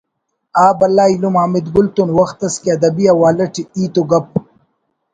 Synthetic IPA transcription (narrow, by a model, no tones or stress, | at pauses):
aːbɐlːaːilumaːmid̪ɡʊlt̪unwɐxt̪ɐskiɐd̪ɐbijawaːlɐʈiiːt̪uɡɐp̚